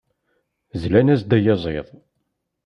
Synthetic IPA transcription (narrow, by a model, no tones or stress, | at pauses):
zlænæsd̪æjɑzˤḛðˤ